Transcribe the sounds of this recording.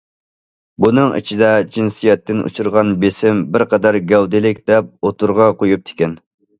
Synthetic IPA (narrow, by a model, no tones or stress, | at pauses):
bunɨŋḭt͡ʃʰid̪ɛd͡ʒinsijɛt̪ːɪnṵt͡ʃʰuɾʁɑnbesɪmbɪɾqʰɑd̪ɛɾɡʲɛwd̪ɪlɪkʲd̪̥ɛp̚ot̪ʰuɾʁɑqojup̚t̪ʰɪ̥kʲɛn